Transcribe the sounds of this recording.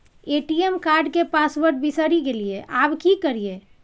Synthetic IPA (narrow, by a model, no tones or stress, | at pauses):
eʈiemkaɾɖkepasbəɾʈ̚bisəɾiɡelijeʔabkikəɾije